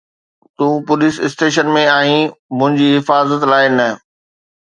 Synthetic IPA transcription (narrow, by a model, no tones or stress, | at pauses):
t̪ũːpʊlɪsɪsʈeːʃənmẽaːĩmʊ̃ɦɪ̃ɲd͡ʑiːɦɪfaːzət̪laːɪnɐ